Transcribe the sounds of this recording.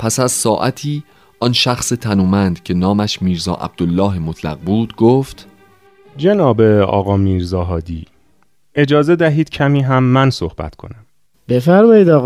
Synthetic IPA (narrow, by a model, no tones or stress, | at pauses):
pʰæsæzsɒːʔæt̪ʰiː | ɒnʃæxset̪ʰænuːmænd̪̥cʰe̞nɒːmæʃmiːɾzɒ̰ːʔæ̰b̚d̪̥olːɒːɦemot̪ʰlæ̰ɣbuːd̪̥ɡoːft̪ | d͡ʒenɒːbeɒ̰ːɣɒːmiːɾzɒːɦɒːd̪iː | e̞d͡ʒɒːzed̪æɦiːd̪̥cʰæmiːɦæmːænsohb̥æ̰t̪kʰo̞̰næm | b̥efæɾmɒːjiːd̪ɒː